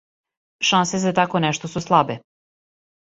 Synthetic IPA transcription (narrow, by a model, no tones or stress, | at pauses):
ʃansezat̪akonɛʃt̪osuslˠabe